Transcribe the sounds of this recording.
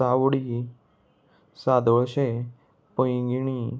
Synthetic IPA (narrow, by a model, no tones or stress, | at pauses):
awɽi | sad̪ʱɭʃe | pəj̃ɡiɳ̃i